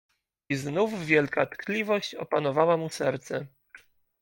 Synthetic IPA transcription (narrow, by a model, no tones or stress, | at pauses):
iznuvːʲjɛlkat̪klʲivɔɕt͡ɕɔ̰panɔvawamusɛɾt̪sɛ